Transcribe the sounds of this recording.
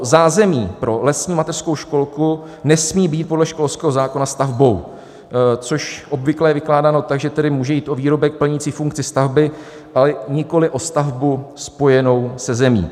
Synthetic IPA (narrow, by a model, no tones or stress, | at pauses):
zaːzɛmiːpɾo̞lɛsɲiːmat̪ɛrsko̞wʃko̞lku | nɛsmiːbiːt̪̚po̞dlɛʃkolskɛːɦozaːko̞nast̪avbo̞w | t͡so̞ʃʔo̞bvɪklɛjɛvɪklaːdaːno̞t̪aɡʒɛt̪ɛdɪmuːʒɛjiːt̪ʔoviːɾo̞bɛk̚pl̩ɲit͡siːfuŋkt͡sɪst̪avbɪ | ʔalɛɲɪko̞lɪʔo̞st̪avbuspo̞jɛno̞wsɛzɛmḭː